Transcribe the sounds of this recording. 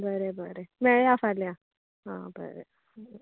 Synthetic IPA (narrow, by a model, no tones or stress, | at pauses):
bəɾebəɾemɛɭeafaɾlea | ɦã̰bə̰ɾḛ